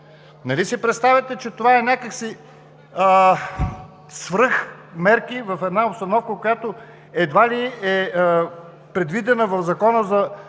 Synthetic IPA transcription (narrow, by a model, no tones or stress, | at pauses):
nɐlisipɾɛt̪st̪avʲət̪ɛt͡ʃɛt̪ovaɛnʲakəksi | svɾɤxmɛɾkivɐfɛd̪naopst̪ɐnɔfkəkojat̪o | ɛd̪valiɛ | pɾɛd̪vid̪ɛnəvɐvzɐkɔnəzɐ